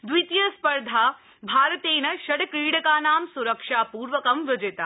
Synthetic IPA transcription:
d̪ʋit̪jɐspɐɾd̪ʱaː | bʱaːɾɐt̪eːnɐʃɐɽkɾiːɽɐkaːnaːmsuɾɐkʂaːpuːɾʋɐkɐmʋɪd͡ʒet̪a

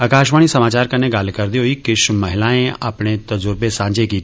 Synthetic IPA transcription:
əkaːʃ̬ʋaːɽ̃isɐmaːt͡ʃaːɾkɐnːeɡaːlkɐɾd̪iɦoikɪʃmɐɦɪlaːẽɐpnet̪ɐd͡ʒʊɾbesãːd͡ʒeki

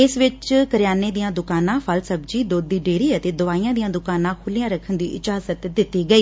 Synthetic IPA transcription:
ɪsʋɪt͡ʃkəɾjaːneːd̪ijãːd̪ʊkaːnãːpʰəlsəbd͡ʒiːd̪oːd̪ːiːɖeːɾiːət̪eːd̪ʊaːiːãːd̪ijãːd̪ʊkaːnãːkʰʊlijãːɾəkʰənd̪ḭːʔɪd͡ʒaːzət̪d̪ɪt̪ːiːɡəiː

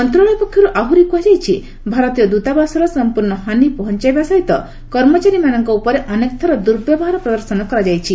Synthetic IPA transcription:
ɔnt̪ɾɔɭɔjpɔkʰːjɔɾuʔaɦuɾikuwad͡ʒajt͡ʃʰi | bʱaɾɔt̪ijɔd̪ut̪abasɔɾɔsɔmpuɾɳɔɦanipɔɦɔnt͡ʃajbasɔjt̪ɔ | kɔɾmɔt͡ʃaɾimanɔŋkɔupɔɾeʔɔnekɔ̥t̪ʰɔɾɔd̪uɾbjɔbɔɦaɾɔpɾɔd̪ɔɾsɔnɔkɔɾad͡ʒajt͡ʃʰi

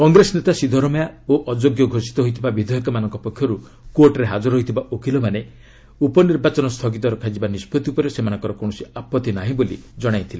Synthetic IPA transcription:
kɔŋɡɾesɔnet̪asid̪ʱɔɾɔmɔjaoʔɔd͡ʒoɡjɔɡʱosi̥t̪ɔɦojt̪ʰibabid̪ʱɔjɔkɔmanɔŋkɔpɔkʰjɔɾu | koɾʈɾeɦad͡ʒɔɾɦojt̪ʰibaʔokʰilɔmane | upɔniɾbat͡ʃɔnɔst̪ʰɔɡit̪ɔɾɔkʰad͡ʒibanispot̪iupɔɾesemanɔŋkɔɾɔkoɽ̃ɔsiapɔt̪ːinaɦĩbolḭd͡ʒɔɽ̃ajt̪ʰile

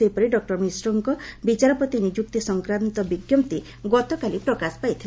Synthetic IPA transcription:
ejpɔɾiɖɔk̚ʈɔɾmisɾɔŋkɔbit͡ʃaɾɔpɔt̪inid͡ʒuk̚t̪isɔŋkɾant̪ɔbiɡjɔmt̪i | ɡɔt̪ɔkalipɾɔkaspajt̪ʰil

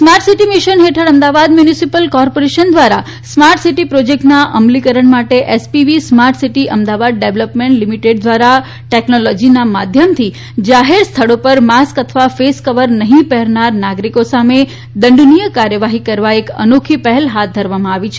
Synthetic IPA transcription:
smaɾʈsiʈimiʃənɦeʈʰəɾəmd̪aʋad̪mjunisipəlkɔɾpoɾeʃənd̪ʋaɾa | smaɾʈsiʈipɾod͡ʒek̚ʈnaʔəmlikəɾəɳmaʈeʔɛspiʋismaɾʈsiʈiʔəmd̪aʋad̪̚ɖeʋləpmẽɳʈlimiʈeɖd̪ʋaɾa | ʈeknolɔd͡ʒinamad̪ʱjəmt̪ʰi | d͡ʒaɦeɾst̪ʰəɽopəɾmaskət̪ʰəʋafeskəʋəɾnəɦĩpɛɦɾnaɾnaɡɾikosame | d̪əɳɖnijəkaɾjəʋaɦikəɾʋaekə̰nokʰipəɦɛlɦat̪̚ʰd̪ʱəɾʋamãaʋit͡ʃʰe

